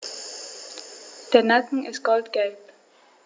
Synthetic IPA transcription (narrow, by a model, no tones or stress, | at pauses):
d̥eɐnakŋ̩ɪsɡ̥ɔldɡ̥ɛlp